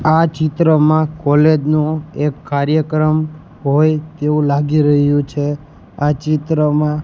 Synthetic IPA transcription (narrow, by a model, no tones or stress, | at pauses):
at͡ʃɪt̪ɾəmãkɔled͡ʒnũekːaɾjəkɾəm | ɦojt̪eũlaɡiɾəɦjũt͡ʃʰe | at͡ʃit̪ɾəmã